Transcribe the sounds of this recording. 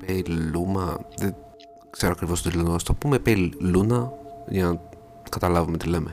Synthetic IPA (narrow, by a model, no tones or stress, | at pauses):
peilumɐðe | kseɾoɐkɾivo̞st̪oilunost̪opumepeilunɐʝɐnɐ | kɐt̪ɐlɐvume̞t̪ile̞me